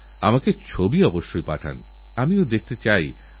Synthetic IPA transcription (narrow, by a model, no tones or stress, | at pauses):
amaket͡ɕʰobiɔboʃːojpaʈʰa̰n | amiod̪ek̚ʰt̪et͡ɕaj